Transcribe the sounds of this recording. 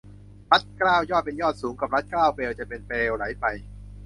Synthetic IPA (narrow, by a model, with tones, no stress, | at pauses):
ɾa˦˥t̪̚kɾaː˥˩wjɔː˥˩t̪̚pe˧njɔː˥˩t̪̚suː˩˦ŋka˨˩p̚ɾa˦˥t̪̚kɾaː˥˩wpeː˧wt͡ɕa˨˩pe˧npeː˧wɾa˩˦jpa˧j